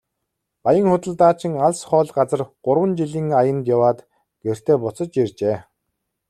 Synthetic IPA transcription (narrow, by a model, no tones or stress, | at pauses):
pajə̆ŋχʊt̪ə̆ɮt̪aːt͡ɕɪ̆ŋaɮsχɔːɮɢat͡sə̆rɢ̥ʊɾwə̆nt͡ɕiɮiːŋajə̆nt̪jawaːt̪ | ɡ̥er̥t̪ʰeːpʊt͡sɞ̆t͡ɕjirt͡ɕeː